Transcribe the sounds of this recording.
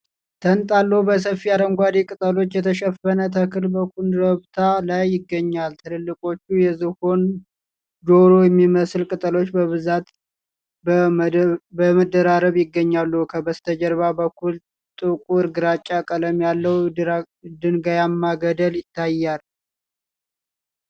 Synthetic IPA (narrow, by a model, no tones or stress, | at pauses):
t̪ʰənt̪ʼalːəhubəs̬əfijaɾəŋɡʷad̪ikʼɨt̪ʼəlo̞t͡ʃːjɛt̪ʰəʃəfənət̪ʰəkʰɨlbəkunɾəβt̪ʰalajːɪɡːəɲːalt̪ʰɨlɨlːɨkʼo̞t͡ʃːujɛzɨho̞n | d͡ʒo̞ɾojɛmːiməsɨlkʼɨt̪ʼəlo̞t͡ʃːbəβɨzat̪ | bəməd̪ːəɾaɾəβjɪɡːəɲːalːukʰəbəst̪ʰəd͡ʒəɾβabəkʰːul | t̪ʼɨkʼuɨɾɡɨɾat͡ʃʼːakʼələmjalːəw | d̪ɨnɡajamːaɡəd̪əljɪt̪ʰːajːal